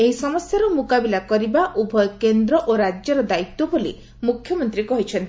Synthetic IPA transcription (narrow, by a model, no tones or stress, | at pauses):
eɦisɔmɔsjaɾɔmukabilakɔɾibaʔubʱɔjɔkend̪ɾɔʔoɾad͡ʒjɔɾɔd̪ait̪ːɔbolḭ | mukʰjɔmɔnt̪ɾikɔɦit͡ʃʰɔnt̪ʰ